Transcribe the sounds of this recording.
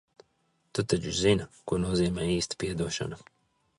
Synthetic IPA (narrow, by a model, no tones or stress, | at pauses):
t̪ut̪at͡ʃuʒzinkuɔnuɔziːmʲɛːiːst̪ḁpʲiɛd̪uɔʃa̰na